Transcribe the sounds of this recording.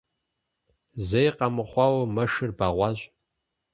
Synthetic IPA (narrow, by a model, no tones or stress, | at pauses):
zejqɐmɨχʷɑːwɐmɐʂɨrbaːʁʷɑːʑʼ